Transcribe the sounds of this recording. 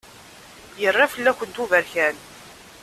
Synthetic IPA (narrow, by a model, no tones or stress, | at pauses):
jərˤːafəlːæçʷənt̪uvəɾçæn